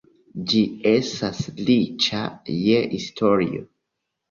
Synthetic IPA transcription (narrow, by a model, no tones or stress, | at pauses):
d͡ʒiesaslit͡ʃa̰jeistʰoɹḭo̰